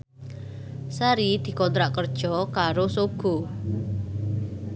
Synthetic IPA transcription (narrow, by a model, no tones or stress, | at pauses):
saɾid̪̥i̤kɔnt̪ɾaʔkərd̥ʒ̥ɔkaɾosoɡ̥o̤